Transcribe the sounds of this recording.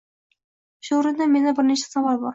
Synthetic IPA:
ʃʊɾɪnd̪ame̞nɪbɪɾneʃḁsɑvɑlˠbɒɾ

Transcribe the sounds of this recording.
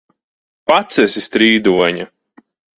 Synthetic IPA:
pat̪sɛsist̪ɾiːd̪uɔɲa

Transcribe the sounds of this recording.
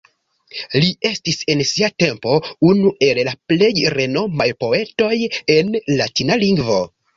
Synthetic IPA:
lie̞stise̞nsiate̞mpo̞unuʔe̞llaple̞jɾe̞no̞majpo̞e̞to̞je̞nlatinaliŋɡvo̞

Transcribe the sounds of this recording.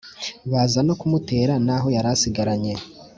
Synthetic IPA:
βazano̞kumute̞ːɾanaɦo̞jaɾasiɡaɾaɲe̞

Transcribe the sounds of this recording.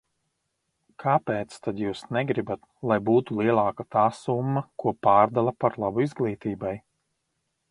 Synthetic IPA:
kʰaːpeːt̪st̪ad̪juːsnɛɡɾibat̪̚ | lˠajbuːt̪ulˠiɛlˠaːkat̪aːsumːɐkuɔpaːɾd̪alˠapaɾlˠabuizɡlˠiːt̪iːbaj

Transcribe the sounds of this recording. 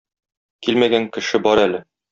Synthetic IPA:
kilmæɡæŋkɘ̆ʃɘbɒɾælɘ

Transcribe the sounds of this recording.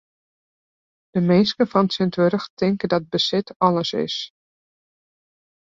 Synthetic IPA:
d̥əmeːskəfɔnsɪntʋøɾəxtʰɪŋkədɔt̚bəsɪtʰɑləsɪ̰s

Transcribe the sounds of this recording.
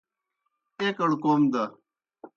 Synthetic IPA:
eːkɐɽkoːmd̪ɐ

